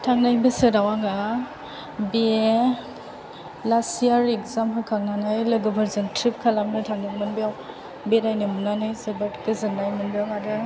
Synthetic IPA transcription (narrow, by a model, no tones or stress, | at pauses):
tʰaŋnajbɯsɯɾawaŋa | bi | lasiaɾekzamɦakʰaŋnanajlɯɡobaɾzɯŋtʰɾip̚kʰalamnɯtʰaŋnɯkmɯnbijaw | beɾajnɯmunanajsebatkɯzɯnːajmɯnbijawŋadɯ